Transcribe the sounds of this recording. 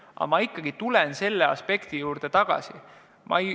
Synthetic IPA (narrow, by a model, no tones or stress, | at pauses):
ʔɑ̰mɑikˑːɑɡ̥it̪ulense̞lːe̞ɑ̰spe̞kt̪ijuːɾd̪̥e̞t̪ɑɡ̥ɑ̰si | mʔɑ̰ej